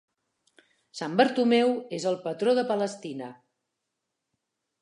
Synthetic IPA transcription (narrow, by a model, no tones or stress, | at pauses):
sambəɾt̪umɛwezəlˠpət̪ɾoðəpələst̪inə